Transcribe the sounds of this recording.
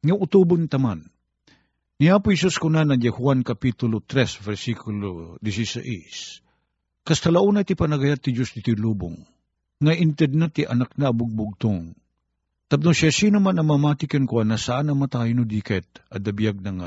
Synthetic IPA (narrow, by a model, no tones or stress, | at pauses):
ŋɐʊt̪ubʊnt̪ɐman | nɪaːpʊhɛs̬uskʊnanɐd͡ʒahwankɐpit̪ʊlot̪ɾɛsvɛɾsikʊlod̪ɪsisa̰ʔḭs | kɐst̪ɐlaʔunajt̪ɪpɐnɐɡɐjat̪ːɪd͡ʒosd̪ɪt̪iluːbʊ̰ŋː | ɐʔɪnt̪ɛd̪̚nat̪ɪʔɐ̰nak̚nɐbʊɡ̚bʊɡ̚t̪oŋ | t̪ɐp̚nosasinʊmanɐmamat̪ɪkankoanasaʔanɐmɐt̪aːjnʊd̪ikɛt̪̚ɐd̪ɐbijaɡ̚nɐŋa